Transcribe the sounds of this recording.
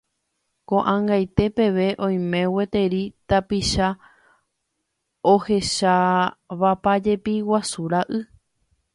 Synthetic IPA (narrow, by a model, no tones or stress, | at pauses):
kõ̞ʔãŋɡajt̪e̞pe̞ʋe̞ʔõ̞j̃mẽ̞we̞t̪e̞ɾit̪apiʃa | ohe̞ʃaβapad͡ʒe̞piwasuɾaʔɨ